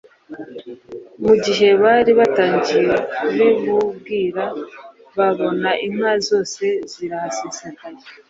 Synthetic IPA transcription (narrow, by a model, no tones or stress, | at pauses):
muɟiɦe̞βaɾiβataːɲɟiɾeuβimub̚ɡiːɾa | βaβo̞naʔim̥azo̞ːse̞ziɾahasesekaɲe